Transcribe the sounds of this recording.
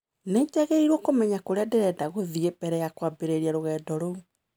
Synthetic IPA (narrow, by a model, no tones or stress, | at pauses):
netɛɣeiɾwɔkomɛɲakoɾeadeɾɛdaɣoðiɣebɛɾɛjakwabeɾeɾiaɾoɣɛːdɔɾou